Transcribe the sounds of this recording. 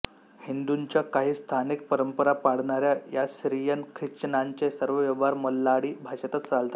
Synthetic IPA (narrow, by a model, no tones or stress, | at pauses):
hind̪uɲt͡ɕjakaɦiːst̪ʰanik̚pəɾəmpəɾapaɽɳaɾjajasɾijənkʰɾit͡ɕənaɲt͡ɕesəɾʋəʋjəʋaɾməlːaɽiːbʱaɕət̪ət͡st͡salt̪ḁ